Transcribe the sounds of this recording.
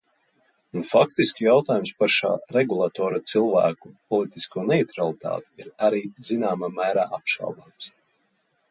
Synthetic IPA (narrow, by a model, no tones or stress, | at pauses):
unfakt̪iskʲijawt̪aːjumspaɾʃa̰ːɾɛɡulˠat̪ɔːɾat̪silˠvæ̰ːkupɔlˠit̪iskuɔnɛit̪ɾalˠit̪a̰ːt̪i̥iɾaɾiːzinaːmaːmæːɾaːʔapʃa̰lwd̪aːms